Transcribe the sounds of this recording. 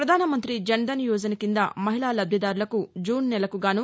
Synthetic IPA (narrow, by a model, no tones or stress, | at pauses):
pɾɐd̪ʱaːnɐmɐnt̪ɾid͡ʒɐnd̪ɐnjuːd͡ʒɐnɐkind̪ɐmɐɦilaːlɐb̪ʱjɐd̪aːɾulɐkud͡ʒuːnːɛlɐkuɡaːnu